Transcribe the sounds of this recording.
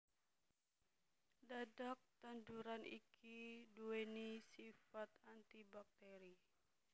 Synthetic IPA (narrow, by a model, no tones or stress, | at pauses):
dadak̚t̪and͡ʒuɾanḭkʰiduenisifat̪ant̪ibak̚t̪eɾi